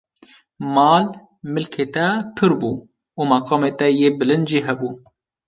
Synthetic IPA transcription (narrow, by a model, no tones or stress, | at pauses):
mɑːl | mɨlkʰeːt̪ɛpʰɨɾbuː | umɑqɑːmeːt̪ɛjeːbɨlɨnd̪ʒiːɦɛbuː